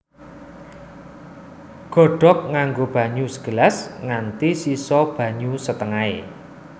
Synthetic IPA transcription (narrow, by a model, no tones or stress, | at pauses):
ɡ̥ɔ̤ɖ̥ɔ̤k̚ŋaŋɡob̥ä̤ɲusə̥ɡ̥ə̤lasŋant̪isisɔb̥ä̤ɲusət̪əŋae